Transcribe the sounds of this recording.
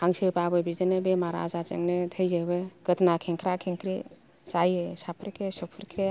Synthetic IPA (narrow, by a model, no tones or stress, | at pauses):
aŋsepabebid͡ʒd̪ənebemaɾa̰d͡ʒat͡ʃə̰ŋnet̪ʰəjd͡ʒəbeɡ̥ət̪nakʰẽŋkɾakʰeŋkɾḭ | t͡ʃajsapʰɾekesopʰuɾkɾe